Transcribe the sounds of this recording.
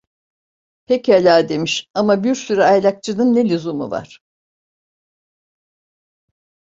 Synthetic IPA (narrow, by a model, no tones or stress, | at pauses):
pʰecalʲaːd̪e̞miʃamabiɾsyɾɛajlʲak̚t͡ʃʰɯnɯnːelʲuzumṵva̰ɾ̥